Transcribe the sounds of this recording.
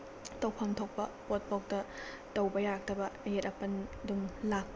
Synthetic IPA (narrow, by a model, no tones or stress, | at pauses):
tɐwpʰɐŋtʰok̚pɐpot̚pok̚tɐ | tɐwbɐjak̚dɐbɐɐjetɐpɐndumlak̚